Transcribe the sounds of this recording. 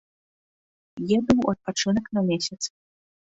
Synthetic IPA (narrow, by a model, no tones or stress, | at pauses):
jɛbɨwɐt̪̚pat͡ʂɨnɐknɐmʲesʲɐt̪s